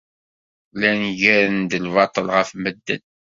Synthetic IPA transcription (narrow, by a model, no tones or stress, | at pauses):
lænʝæɾənd̪əlvɑt̪ˤəlʁəfməd̪ːə̰n